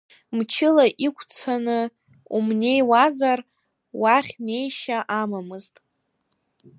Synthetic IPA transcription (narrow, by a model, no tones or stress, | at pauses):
mt͡ʃʰɪlaʔikʷʰʼt͡sʰanɨ | umne̞jwazar | waχʲne̞jʃaʔamamɨztʼ